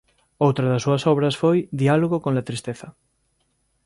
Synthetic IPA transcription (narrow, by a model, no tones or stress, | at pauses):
owt̪ɾaðasːuasɔβɾasfojðialoɣokõnlat̪ɾist̪eθɐ